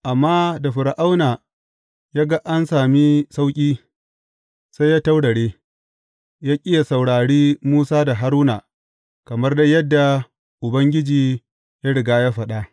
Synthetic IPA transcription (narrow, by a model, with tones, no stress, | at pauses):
ʔa˨mːaː˦da˨ɸʊ˨ɾʔa˦wnaː˨ | jaː˦ɡa˦ʔa˦nsaː˨mi˦sa˦wkʲʼiː˦ | sa˦jaː˦ta˦wɽɐ˨ɽeː˦ | jaː˦kʲʼɪ˦ja˨sa˨wɽaː˨ɽiː˦muː˦saː˦da˨ɦa˦ɾuː˦naː˨ | kɐ˨mɐ˦rda˦jɐ˦dːa˨ | ʔʊ˨bɐ˦ŋɡʲɪ˦d͡ʒiː˨ | ja˦ɽɪ˨ɡaː˦ja˦ɸɐ˨ɗa˦ʔ